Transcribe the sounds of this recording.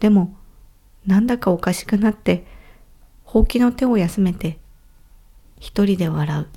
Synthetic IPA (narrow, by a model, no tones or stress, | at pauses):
d̪̥e̞mo̞ | nãnd̪akao̞kaɕi̥kɯ̟nat̪ːe̞ | ho̞ːkʲino̞t̪e̞o̞jasɨme̞t̪e̞ | çi̥t̪o̞ɾʲid̪e̞β̞aɾaɯ̟